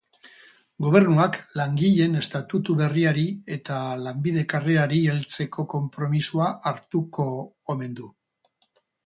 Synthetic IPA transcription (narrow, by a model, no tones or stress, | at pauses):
ɡo̞β̞e̞ɾnuaklaŋɡiʎe̞ne̞st̪at̪ut̪uβe̞riaɾie̞t̪alambið̞e̞kareaɾielt͡se̞ko̞ko̞mpɾo̞misuaʔaɾt̪uko̞ː | me̞nd̪u